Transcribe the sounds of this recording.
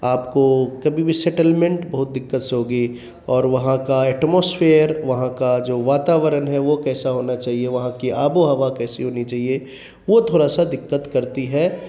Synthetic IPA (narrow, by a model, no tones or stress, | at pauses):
aːpkokɐbʱibʱisɛʈəlmẽɳʈbɐɦʊt̪̚d̪ɪkːət̪seɦoːɡəi | ɔːɾʋɐɦãkaɛːʈmoːsfʰeːɾʋɐɦãkad͡ʒoːʋaːt̪aːʋəɾənɦɛʋokɛːsaɦoːnat͡ʃaːɦieʋɐɦãkiaːboɦɐʋakɛːsiɦoːnit͡ʃaːɦie | ʋot̪ʰoːɾasad̪ɪkːət̪kɐɾt̪iɦɛː